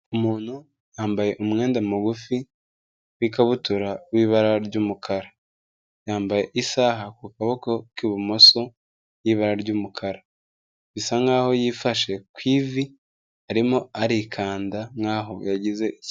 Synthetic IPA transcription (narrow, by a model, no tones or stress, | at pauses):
umuːn̥hu | jaːmbaje̞ʔumŋe̞ːndamuɡufi | wikaβutuɾawiːβaɾaɾɟuːmukʰaɾa | jaːmbaje̞ʔisaɦakukaβokokiβumo̞so̞ | jiːβaɾaɾɟuːmukʰaɾa | isaŋɡaːho̞jiːfaʃe̞kwiːvi | aɾimo̞aɾikʰaːndaŋɡaɦo̞jaɟize̞ʔi